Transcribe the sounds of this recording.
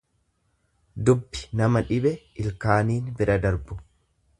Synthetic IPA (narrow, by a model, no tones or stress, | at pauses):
d̪ʊbːɪ̥nɐmɐᶑɪbɛɪlkaːniːnbɪɾɐd̪ɐɾbʊ